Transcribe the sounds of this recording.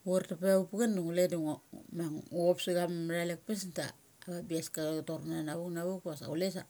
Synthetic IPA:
uaɾtapaaupuɡanduŋuleduŋmaŋuopsiɡamɾalek̚pesnta̰ː | βabiaskatoɾnanaβuknaβukasa̰ules̬a̰

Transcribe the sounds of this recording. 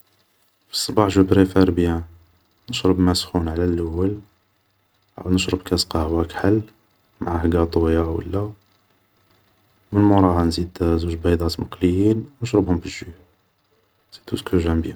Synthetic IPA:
fi̥sˤːɑbɑħʒupɾefæɾbjæ | nəʃɾəbmæsxunʕlælʔəwːəl | ʕa̰wnəʃɾəbkæsqɑhwækħəlː | maʕahɡæt̪ˤojawə̰lːæ | mənmuɾˤɑhɑnzid̪zuʒbɑjd̪ˤɑt̪məqləjinnəʃɾəbhʊmbəʒːuh | z̥id̪uskuʒæmbjæ

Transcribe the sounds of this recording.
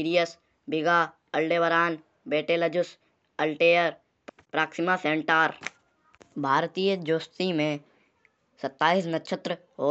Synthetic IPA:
iːɾijəs | bɪɡaː | ɐlɖeːʋəɾaːn | beːʈeːləd͡ʒʊs | ɐlʈeːəɾ | pɾaːksɪmasẽːɳʈaːɾ | bʱaːɾt̪iːjəd͡ʒoːst̪imẽ | sɐt̪ːaːisnɐtːʃʰət̪ɾə | oː

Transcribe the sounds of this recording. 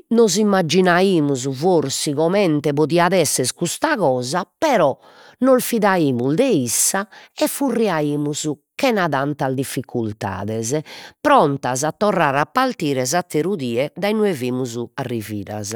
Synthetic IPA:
nozimːad͡ʒːinaiːmuzuvoɾsiɣɔmɛnt̪ɛβoðiaðɛsːɛskust̪aɣɔːzapɛɾɔ | nolfiðaiːmuzd̪ɛisːaɛfːurːiaiːmuzukɛnaðant̪azd̪ifːikʰult̪a̰ːðɛzpɾɔnt̪azat̪ːɔraːɾapːalt̪iːɾɛzat̪ːeɾuðiːɛd̪ajnueviːmuzuarːiviːɾa̰z

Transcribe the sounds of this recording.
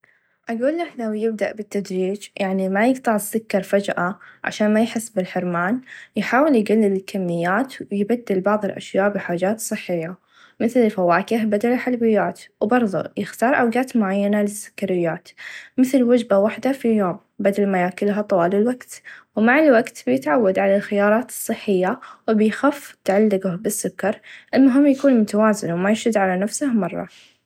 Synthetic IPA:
ʔaɡuːlːaħlawjɪb̚d̪aʔbɪt̪ːad̪ɾiːd͡ʒjaʕnimajɪɡt̪ˤɑʕɪsʊkːɑɾˤfad͡ʒʔaʕa̰ʃaːnmajħɪsːbɪlħɪɾmaːnjħaːwɪljɡalːɪlɪlkʰamːɪjːaːt̪jbad̪ːɪlbɑʕðˤɨlʔa̰ʃjaːʔbɪħaːd͡ʒaːt̪sˤɨħːɪjːa | mɪθlɪlfawaːkɪhbad̪alɪħalbɪjːaːt̪wbɑɾˤðˤṵjɪxt̪ɑːɾˤʔawɡaːt̪mʊʕajːanalɪsːʊ̥kːaɾɪjːaːt̪mɪθlwad͡ʒbawaħd̪afijoːm | bad̪almajaːkɪlɦat̪ˤɑwɑːlɪlwaɡt̪wmaʕɪlwaɡt̪bɪjɪt̪ʕawːad̪ʕalalxɪjɑːɾˤɑːt̪ɨ̥sˤːɨħːɪjːawɪbɪjxaːft̪ʕalːɪɡʊhbɪsːʊkːɑɾˤʔɪlmʊɦɪmːjakuːnmʊt̪awaːzɪnwmajɪʃɪd̪ʕalanafsɪhmɑrˤːɑ̰

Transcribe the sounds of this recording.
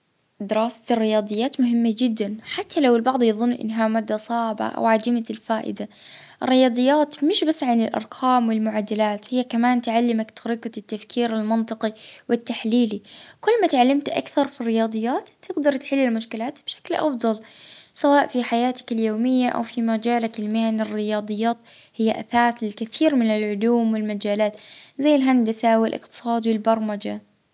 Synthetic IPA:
d̪ɪɾɑːsḁrːɪjɑːd̪ˤɨjːaːt̪mʊɦɪmːad͡ʒɪd̪ːanħat̪ʰːalawɪlbɑʕd̪ˤjɑðˤʊnːʔɪ̰nːɦamaːd̪ːasˤɑːʕba̰ʔa̰wʕad̪ɪmalfaːʔɪ̰d̪aʔɪrːɪjɑːd̪ˤɨjːaːt̪mɪʃbasːʕanɪlʔɑ̰ɾˤqʰɑːmwɪlmʊʕad̪ːalaːt̪hɪjːakamaːnt̪ʕalːɪmakt̪ʰɑɾɪqat̪ːafkʰiːɾalmɪnt̪ˤɨqiwɪt̪ːaħliːlikʊlːmat̪ʕalːamt̪ʔa̰kθɑɾˤfirːɪjɑːd̪ˤɨjːaːt̪bt̪ɪɡd̪ɑɾˤt̪ħɪlːɪlmʊʃkɪlaːt̪bʃḁklʔɑfd̪ˤɑlsawaːʔfiħajaːt̪ɪ̥kaljoːmɪjːaʔa̰wfimad͡ʒaːlakɪlmaːnɪrːɪjɑːd̪ˤɨjːaːt̪hɪjːaʔa̰θaːt̪lɪlkɪθiːɾmɪnɪlʕʊluːmwɪlmad͡ʒaːlaːt̪zajːɪlɦand̪asawɪlʔɪ̰qt̪ɨ̥sˤɑːd̪wɪlbɑɾˤmad͡ʒa

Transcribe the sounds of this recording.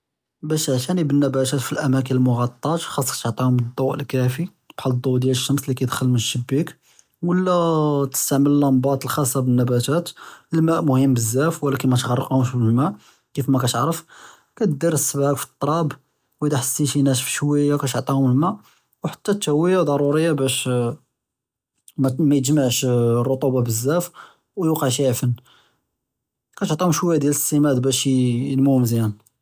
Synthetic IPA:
bæʃʕʃænibənːæbæt̪æt̪filʔæmæk̬ənəlmʊɣɑt̪ˤːɑʒxɑsˤːɑkæ̥t̪oʕt̪ˤihʊmd̪ˤːɑwʔəlkæfi | b̥ħɑld̪ˤːud̪jæləʃːəmslikæjd̪xəlmənʃəbːik | wəlːæt̪ə̥st̪aʕməllæmbɑt̪ˤlxɑsˤːɑbənːæbæt̪æt̪əlmæʔmʊhəmːbəzːæfwlækənmæt̪ɣɑrˤəqhʊmʃbəlmæʔ | kifmækæt̪ʕɾəf | kæt̪d̪iɾəsːəbʕakfi̥t̪ˤːɾˤɑb | wəd̪aħəsːiʃinæʃfi̥ʃwəjːakæt̪oʕt̪ˤihʊməlmæʔ | wħə̥t̪ːæt̪ːæwːəjad̪ˤɑɾˤuɾəjːabæʃ | mæmæjt̪ʒmaʕʃrˤːot̪ˤubɑbəzːæf | wjuqəʕʃiʕfən | kæt̪oʕt̪ˤihʊmʃwəjːad̪jæləsːimæd̪bæʃjəlmumzjæn

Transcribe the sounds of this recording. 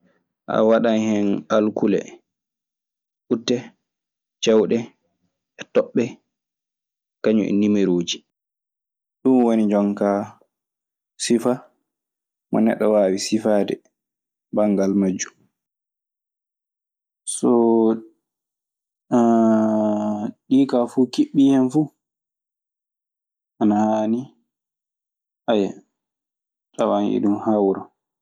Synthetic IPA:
ʔa̰waɗanhɛnalkulɛ̰ | ʔutːɛ | t͡ʃɛwɗɛ | ɛtɔɓːɛ | kaɲuʔɛ̰nimeɾoːd͡ʒi | ɗunwonid͡ʒɔŋka | sifa | mɔ̰nɛ̰ɗːɔwaːwisifaːdɛ̰ | baŋɡalmad͡ʒːum | sɔ | ɗiːkafukiɓːihɛmfuː | ʔanahaːni | ʔaja | tawanʔḭɗumhawɾɔ

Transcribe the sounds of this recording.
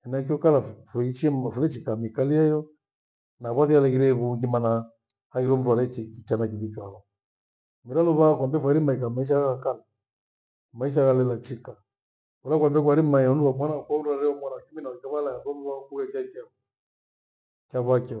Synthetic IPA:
ɛnak̬iɔkalafuit͡ʃiɛmfulɛt͡ʃikamikaliajɔ | naβaθialɛɣiɾɛβuŋɡimana | haiɾɔm̩ɾwalɛt͡ʃikit͡ʃanakiðit͡ʃwaɣɔ | miɾalɔβakambɛfwɛɾimaikamaiʃ̬aɣakala | maiʃ̬aɣalɛlat͡ʃika | ulak̬wambɛk̬waɾimaiɔnuwamwanakwaɾaɾɛɔmwanakiminaɛkɛβalajaðɔmuwakuɣɛt͡ʃakaɔ | kaβakɛ

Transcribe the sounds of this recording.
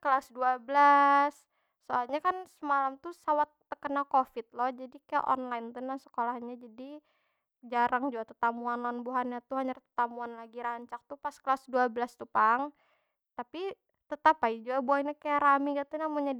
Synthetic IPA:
kəlasduabəlasː | oalɲakansəmalamt̪usawat̪ːəkənalkofɪt̪̚lɔhd͡ʒadikaja̰ʔɔ̰nlaɪnt̪unasə̥kolahɲad͡ʒadi | d͡ʒaɾaŋd͡ʒuɡat̪ət̪amuanlanbuɦanjat̪uhaɲart̪ət̪amuanlaɡiɾaɲt͡ʃak̚t̪upaskəlasduabəlast̪upaŋ | t̪api | t̪ət̪apaid͡ʒuɡabuaɲakajaɾamiɡat̪unamuɲa

